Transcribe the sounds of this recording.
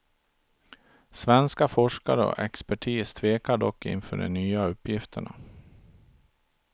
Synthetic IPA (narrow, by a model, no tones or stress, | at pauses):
svɛnskafɔʂkaɾəɔ̰ʔɛkspæʈʰiːst̪ʰveːkaɖɔkːɪ̰nfœːɖɛ̰nyːaɵpːjɪft̪ʰəɳa̰